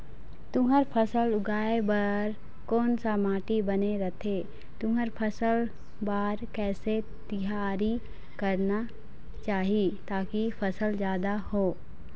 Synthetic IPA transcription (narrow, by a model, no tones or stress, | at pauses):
t̪ʊɦəɾpʰəsəlʊɡaːebɐɾ | kɔːnsamaːʈibɐneɾɐt̪ʰe | t̪ʊɦəɾpʰəsəl | baːɾkɛːse | t̪ɪɦaːɾi | kɐɾna | t͡ʃaːɦiet̪aːkipʰɐsəlzjaːd̪ahoː